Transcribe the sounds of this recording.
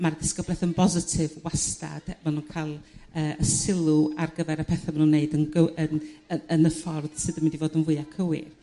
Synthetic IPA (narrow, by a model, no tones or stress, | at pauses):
mardɪskəblɛθənbɔzɪtʰɪvwasta̰d̥manunkʰalˠəːəsɪlˠuarɡəvɛɾəpʰɛθamanunːeɨdənɡəənəənəfɔrd̥sɨdəmɪndivoːdənvʊɨakʰəwɪ̰r